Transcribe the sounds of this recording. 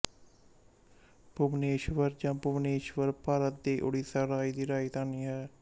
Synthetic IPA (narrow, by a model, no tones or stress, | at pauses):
pʊbneːʃʋəɾd͡ʒãːpʊʋneːʃʋəɾpaːɾət̪̚d̪eːʔʊ̰ɽiːsəɾaːiːd̪iːɾaːiːt̪aːniːɦɛː